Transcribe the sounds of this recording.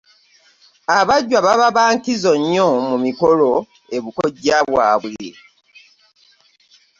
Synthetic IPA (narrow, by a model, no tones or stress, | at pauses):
aβaɟːwaβaβaβaːŋkizo̞ɲːomumikolo | e̞βukoɟaːβwaːβwḛ